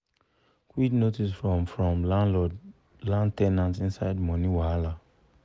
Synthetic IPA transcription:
kwiknotisfɹɔmfɹɔ̃mlãnlɔd | lãntɛnãntĩnsaɪdmɔ̃niwala

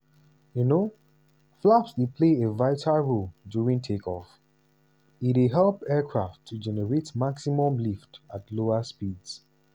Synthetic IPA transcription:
juno | flapsdepʰleevaɪtʰalɹoldjuɹĩŋtʰekʰɔf | itweɦɛlpɛkʰɹaftʰːud͡ʒɛnɛɹetmaksimɔ̃mliftatloaspids

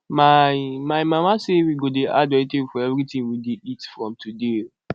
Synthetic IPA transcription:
mamajmamasewiɡodeʔadɔetefɔɛvɾitĩŋwideitfɹɔ̃mtʰude

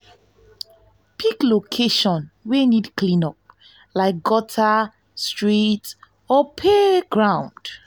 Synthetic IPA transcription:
pʰiklokʰeʃɔ̃nwenidklĩnɔp̚ | laɪk̚ɡɔtʰa | stɹit | ɔpʰeɡɹãʊw̃nd̥

